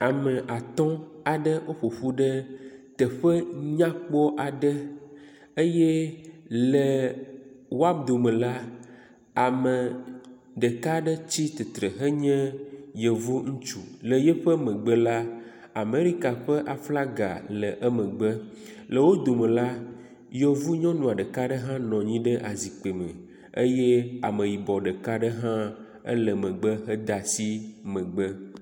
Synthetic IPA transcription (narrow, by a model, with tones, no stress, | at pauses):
a˨mə˨ʔa˨t̪ɔ̃˦a˨ɖə˦ʔo˦ɸo˨ɸu˦ɖə˦t̪ə˨ɸə˦ɲã˦k͡pɔ˦ʔa˨ɖə˦ | ə˦jɛ˦lə˨ | wo˦a˦bd̪o˨mə̃˨la˦ | a˨mə̃˨ | ɖə˨ka˦ɖə˦t͡ɕi˦t̪e˨t̪ɾə˨ɦə˦ɲɛ̃˦jə˨vu˦ŋũ˦t͡ʃu˨lə˨jɛ˦ɸə˦mə̃˨ɡ͡bə˦la˦ | a˨me˨ɾi˦ka˨ɸə˦ʔa˨fla˦ɡa̰˨lə˨ʔə˦mə̃˨ɡ͡bə˦ | lə˨wo˦d̪o˨mə̃˨la˦ | je˨vu˦ɲɔ̃˦nũ˨a˨ɖə˨ka˦ɖə˦ɦã˦nɔ̃˨ɲĩ˦ɖə˦ʔa˨zi˨k͡pe˨mə̰̃˨ | ḛ˦je˦a̰˨mə̃˨ji˨bɔ˨ɖə˨ka˦ɖə˦ɦã˦ | ə̰˦lə˨mə̃˨ɡ͡bə˦ɦə˦d̪a˨si˦mə̃˨ɡ͡bə˦